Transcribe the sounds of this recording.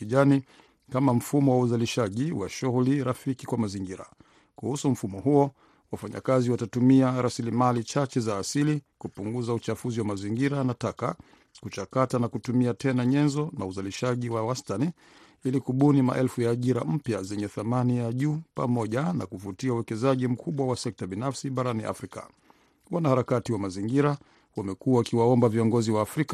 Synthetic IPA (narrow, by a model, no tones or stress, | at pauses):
iʄani | kamam̩fumɔwauzaliʃaʄiwa̰ʃuɣuliɾafikikwamaziŋɡiɾa̰ | kuhusum̩fumɔɦuɔ | wafaɲa̰kaziwatatumiaɾasilimalit͡ʃat͡ʃɛzaːsilikupuŋɡuzaut͡ʃafuziwamaziŋɡiɾanataka̰ | kut͡ʃakatanakutumiatɛnaɲɛnzɔnauzaliʃaʄiwawastani | ilikuɓunima̰ʔɛlfujaːʄiɾam̩pjazɛɲɛθamanijaʄuːpa̰mɔʄana̰kuvutiauwɛkɛzaʄim̩kʰuɓwawasɛk̚taɓinafsiɓaɾaniʔa̰fɾika̰ | wanahaɾakatiwamaziŋɡiɾa | wamɛkuawakiwaɔmbaviɔŋɡɔziwaːfɾika